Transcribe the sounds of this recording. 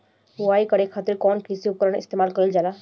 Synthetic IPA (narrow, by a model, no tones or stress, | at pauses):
uaːikəɾekʰaːt̪ɪɾkɔːnkisiupkəɾəɳɪ̰st̪emaːlkəɾild͡ʒaːla